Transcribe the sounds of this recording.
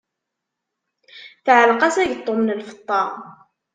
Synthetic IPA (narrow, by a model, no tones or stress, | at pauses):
θʕəlqɑsæʝət̪ˤːomnəlfə̥t̪ˤːɑ